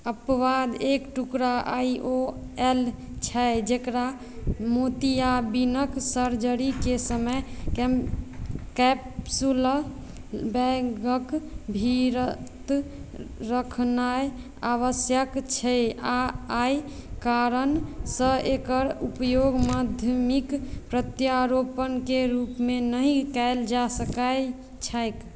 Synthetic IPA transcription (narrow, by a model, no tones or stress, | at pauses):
əpəʋad̪ekʈukɾaʔajʔo | ɛl | t͡ʃʰɛd͡ʒekɾa | mot̪iabinəksəɾd͡ʒəɾikesəməjkɛm | kɛpsul | bɛɡəkbʱiɾət̪ | ɾəkʰnaj | aβəsjəkt͡ʃʰɛjaaj | kaɾənsə̃ʔekəɾupjoɡmad̪ʱjəmikpɾət̪jaɾopənkeɾupmenəɦĩkaeld͡ʒasəkaj | t͡ʃʰajk